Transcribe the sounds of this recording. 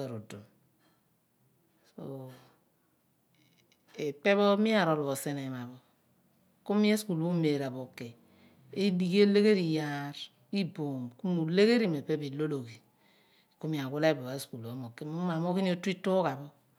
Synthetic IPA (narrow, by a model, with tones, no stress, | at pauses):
o˨ɾo˨do˨m | so̰˨ | e˨pe˦βɔ˦mi˦a˦˨ɾo˨lu˨βo˨se˦ne˨ma˨βo˦ | ku˦mi˦e˦sku˨lbu˦me˨ɾa˨bo˨ke˨ | e˦li˨ke˦le˦ɣe˦ɾi˨ja˦ɾ | i˦bo˨mku˦mu˨le˦ɣe˦ɾi˦˨me˨pe˦bi˨lo˦lo˨ɡi˨ | ku˦mi˨a˨ku˦la˦e˦bo˨a˨e˦sku˨lo˨˦mo˨ke˦u˦ma˨mo˦ki˦ni˦o˦ti˦tu˦ka˨βɔ˦